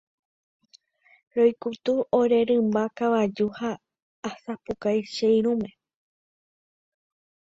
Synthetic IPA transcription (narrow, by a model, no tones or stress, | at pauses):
ɾo̞jkut̪uʔoɾe̞ɾɨ̃mbakaʋad͡ʒuhaː | sapukajʃejɾũmẽ̞